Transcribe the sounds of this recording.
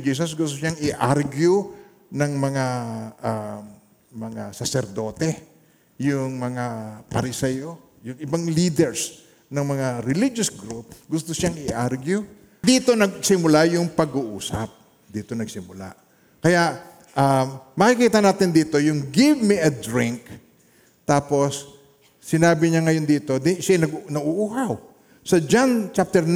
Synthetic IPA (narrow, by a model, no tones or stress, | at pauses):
d͡ʒiːs̬osɡʊst̪oʃaŋɪʔaɾɡjʊ | nɐŋmɐŋaʔa | mɐŋasɐsɛɾd̪o̞ːt̪ɛ | jʊŋmɐŋapɐɾɪsɛjo | jʊŋɪbaŋliːd̪ɛɹs | nɐŋmɐŋaɾɪlid͡ʒosɡɾup̚ɡʊst̪oʃaŋɪʔaɾɡjʊ | d̪iːt̪o̞nɐɡ̚sɪmʊlajʊŋpɐɡuʔṵːsɐ̰p̚ | d̪iːt̪o̞nɐɡsɪmʊla̰ | kɐjaʔ | ʔamɐkɪkiːt̪ɐnaːt̪ɪnd̪iːt̪o̞jʊŋɡɪvmiʔɐd̪ɾɪŋk | t̪aːpo̞sː | ɪnaːbɪɲaŋɐjo̞nd̪iːt̪o̞d̪ɪʃajnɐɡnɐʔuʔuɦaw | sɐd͡ʒant͡ʃap̚t̪ɛɾn